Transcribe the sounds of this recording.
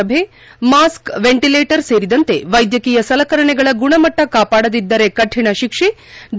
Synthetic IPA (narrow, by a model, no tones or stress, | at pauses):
ɐbʱe̞ | maːskʋeɳʈileːʈɐɾse̞ːɾid̪ɐnt̪e̞ʋɐjd̪jɐkiːjɐsɐlɐkɐɾɐɳɛɡɐɭɐɡuɳɐmɐʈːɐkaːpaːɽɐd̪id̪ːɐɾekɐʈʰːiɳɐʃikʂe | d̪